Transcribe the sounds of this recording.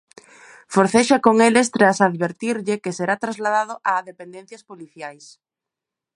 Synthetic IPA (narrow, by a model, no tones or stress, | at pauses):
foɾθeʃakoŋelɪst̪ɾasaðβeɾt̪iɾʎɪkeseɾat̪ɾazlaðaðʊʔaðepend̪ẽn̟θjaspoliθjajs